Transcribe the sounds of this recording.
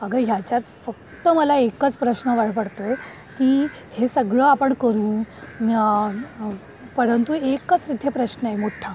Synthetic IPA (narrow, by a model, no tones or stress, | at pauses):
əɡəɦjat͡ɕat̪fək̚t̪əməlaekət͡spɾəɕnəʋaɭpəɽt̪oje | kiː | hesəɡɭəapəɳkəɾũːna | pəɾənt̪uekət͡sʋid̪ʱjepɾəɕnəemoʈʰːa